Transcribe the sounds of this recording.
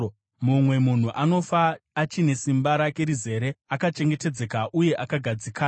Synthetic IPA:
mumwe̞mun̤uʔano̞faːt͡ʃine̞simbaɾake̞ɾize̞ɾe̞akat͡ʃe̞ŋɡe̞te̞d͡ze̞kaʔuje̞ʔakaɡʱad͡zikʰaː

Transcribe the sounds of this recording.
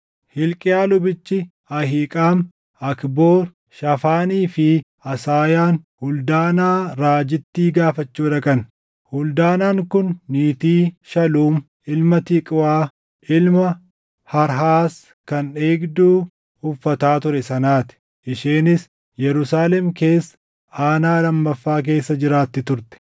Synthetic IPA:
hɪlkʼɪjaːlʊbɪt͡ʃːɪ | ɐhiːkʼaːm | ɐkboːɾ | ʃɐfaːniːfɪ | ɐsaːjaːnhʊld̪aːnaːɾaːd͡ʒɪt̪ːiːɡaːfɐt͡ʃːuːᶑ̪ɐkɐn | hʊld̪aːnaːŋkʊnːiːt̪iːʃɐluːm | ɪlmɐt̪ikʼɪwaː | ɪlmɐ | hɐɾɦaːs | kɐne̞ːɡd̪uː | hʊfːɐt̪aːt̪ʊɾɛsɐnaːt̪ɪ̥ | ʔɪʃiːnɪs | jɛɾʊsaːlɛmke̞ːsː | aːnaːlɐmːɐfːaːk̬e̞ːsːɐd͡ʒɪɾaːt̪ːɪt̪ʊɾt̪ɛ̥

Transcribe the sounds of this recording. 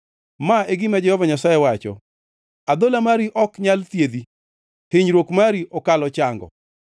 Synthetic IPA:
maeɡɪmad͡ʒɛhɔvaɲasajɛwat͡ʃɔ̰ | ad̪olamaɾiʔɔkɲalt̪jed̪i | tɪɲɾwokmaɾiʔɔkalɔt͡ʃaŋɡɔ̰

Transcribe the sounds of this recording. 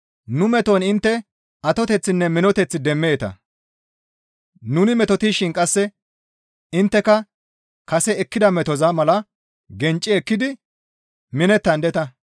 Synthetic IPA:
nʊmɛt̪onɪnt̪ːɛ | ɐt̪ɔt̪ɛt͡sːɪnːɛmɪnɔt̪ɛt͡sːɪd̪ɛmːeːt̪ɐ̰ | nʊnɪmɛt̪ɔt̪iːʃɪnkʼɐsːɛ | ɪnt̪ːɛkɐ | kɐsɛɛkːɪd̪ɐmɛt̪ɔzamɐlɐ | ɡɛnt͡ʃʼːɪɛkːɪd̪ɪ | mɪnɛt̪ːɐnd̪ɛt̪ɐ

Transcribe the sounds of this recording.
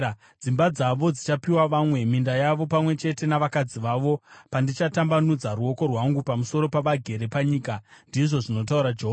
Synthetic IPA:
d͡zimbad͡zaʋo̞d͡zit͡ʃapiwaʋamwe̞mindajaʋo̞pamwe̞t͡ʃe̞te̞naʋakad͡ziʋaːʋo̞pandit͡ʃatambanud͡zaɾuo̞ko̞rwaŋɡupamuso̞ɾo̞paʋaɡʱe̞ɾe̞paɲiːkandiʐo̞ʐino̞t̬auɾad͡ʒeɦo

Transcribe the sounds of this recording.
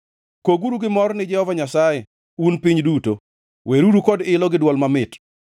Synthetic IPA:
koɡuɾuɡɪmɔrnɪd͡ʒɛhɔvaɲasajɛ | unpiɲduto | wʔeɾuɾukɔdɪlɔɡɪdwɔlmamɪt

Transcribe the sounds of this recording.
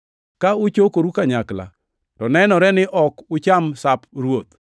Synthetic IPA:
kaʊt͡ʃokoɾukaɲakla̰ | tɔnɛnɔɾɛnɪʔɔkʊt͡ʃamsapɾwot̪

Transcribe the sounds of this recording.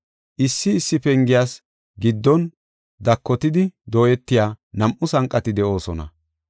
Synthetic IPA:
ʔɪsːɪːsːɪpɛŋɡɪjaːs | ɡɪd̪ːɔn | d̪ɐkːɔt̪ɪd̪ɪd̪o̞ːjɛt̪ːɪjaːnɐmʔʊsɐŋkʼːɐt̪ɪd̪ɛʔo̞ːsɔnɐ̰

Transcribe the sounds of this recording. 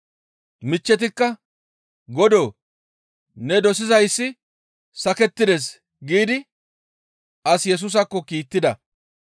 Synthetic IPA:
mɪt͡ʃːɛt̪̬ɪkːɐ | ɡɔd̪oː | nɛd̪ɔsɪzɐjsːɪ | sɐkɛt̪ːɪd̪es̬ | ɡiːd̪ɪ | ʔɐsjɛs̬ʊs̬ɐkːɔkiːt̪ːɪd̪ɐ

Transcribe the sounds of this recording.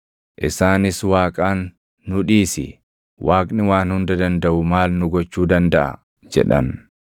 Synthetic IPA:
ʔɪsaːnɪswaːkʼaːnː | ʊᶑiːsɪ̰ | wʔaːkʼnɪwaːnhʊnd̪ɐd̪ɐnd̪ɐʔʊmaːlnʊɡɔt͡ʃːuːd̪ɐnd̪ɐʔɐ̰ | d͡ʒɛ̰ᶑɐ̰n

